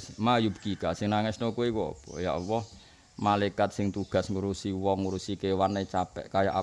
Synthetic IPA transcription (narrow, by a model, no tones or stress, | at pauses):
smajup̚kikasɪŋnaŋɛsnokuikɔpɔ̰ja̰ʔwɔh | malakat̪̚sɪŋt̪uɡ̥a̤sŋuɾusiwɔŋːuɾusikewanet͡ʃapɛ̰ʔkaja̰ʔa